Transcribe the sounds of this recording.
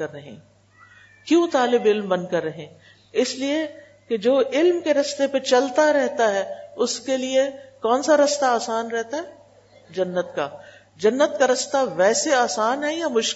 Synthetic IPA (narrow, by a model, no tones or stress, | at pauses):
ɐɾːɐɦḛ̃ | kjũt̪aːlɪbɪlmbɐ̃nkɐɾːɐɦẽː | ɪslie | ked͡ʒoːɪlmkeɾɐst̪epet͡ʃɐlt̪aɾɛɦt̪aɦɛʊskeliekɔːnsaɾɐst̪aaːsaːnɾɛɦt̪aɦɛ | d͡ʒɐnːət̪ka̰ | d͡ʒɐnːət̪kaɾɐst̪aʋɛːseaːsaːnɦɛjamʊʃ